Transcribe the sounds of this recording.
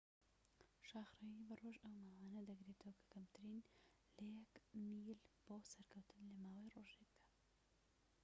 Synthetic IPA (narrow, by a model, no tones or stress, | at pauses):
ʃɑːxɾajibɐroʒɐwmaːwanɐd̪ɐɡɾeːt̪ʰɐwɐkʰɐ̥kɐmt̪ʰɨɾin | lɐjɛkmilb̥oːsɐɾkʰɐwt̪ʰɨnlɐmaːwejroʒeɡ̚d̪̥a